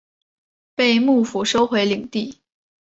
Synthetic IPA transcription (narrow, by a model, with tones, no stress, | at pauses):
pe˥˧ɪmu˥˩fu˨˩ʂo˥ʊxwe˧˥ɪli˨˩ŋt̪i˥˩